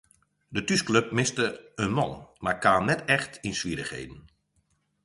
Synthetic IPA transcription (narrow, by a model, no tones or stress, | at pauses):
dətyskløp̚mɪstəənmɑ̰nmaːɹkaːnnɛtɛxtinsʋiɾəxhḛjdən̩